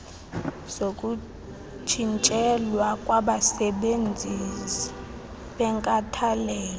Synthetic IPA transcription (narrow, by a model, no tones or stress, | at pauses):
z̥okʼu | t͡ʃʰint͡ʃʼɛlwakʼwaɓasɛɓend͡zʱisi̥ | ɓɛŋkʼatʰalɛːlɔ